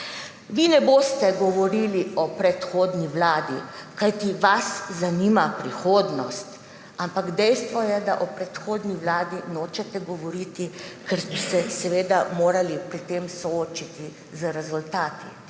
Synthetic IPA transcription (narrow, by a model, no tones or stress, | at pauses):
ʋinɛboːst̪ɛɡɔʋɔɾiːliɔpɾɛt̪xoːd̪niʋlaːd̪ikajt̪iʋaszaniːmapɾixoːd̪nɔst̪ | ampaɡd̪ɛjst̪ʋɔjɛd̪a̰ʔɔpɾɛt̪xoːd̪niʋlaːd̪inoːt͡ʃɛt̪ɛɡɔʋɔɾit̪ikɛɾsb̪isɛsɛʋeːd̪amoːɾalipɾit̪eːmsɔoːt͡ʃit̪i | zəɾɛzult̪aːt̪i